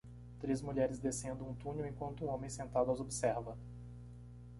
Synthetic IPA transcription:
t̪ɾezmuʎɛɾɪzd̪esẽnd̪ʊ̃ũt̪ũnjʊẽŋkwɐ̃nt̪ʊũõmẽsẽnt̪ad̪ʊazobisɛɾvɐ

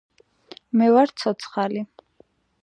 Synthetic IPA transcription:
mɛvaɾt̪sʰɔt̪sʰχali

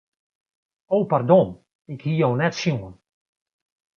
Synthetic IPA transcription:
owpardɔn | ɪkhiownɛtsjuən

